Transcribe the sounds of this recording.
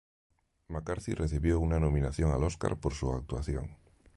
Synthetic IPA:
makaɾθirʔeθiβjounanomĩnaθjoŋaloska̰ɾpoɾsuak̚t̪waθjo̰ŋ

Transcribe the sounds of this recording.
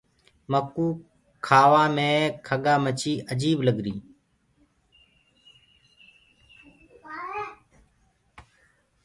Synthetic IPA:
məkuː | kʰaːʋaːmẽːkʰəɠaːmət͡ʃiːʔəd͡ʒiːbləɡɾĩː

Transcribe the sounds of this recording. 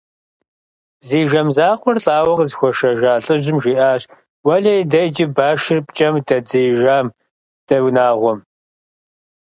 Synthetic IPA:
ziːʒɐmzaːqʷɔrɬʼaːwɐʁzxʷɔʃɐʒaːɬʼɨʒɪmʒiːʔaːɕ | wɐɮɐjidɐjd͡ʒɪbaːʃɪrpt͡ʃʼɐmdɐd͡ziːʒaːm | d̥ɐwnaːʁʷɔm

